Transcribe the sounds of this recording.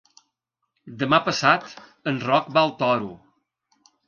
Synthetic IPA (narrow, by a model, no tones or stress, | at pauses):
d̪əmapəsat̪ | ənrɔkbalˠt̪ɔɾu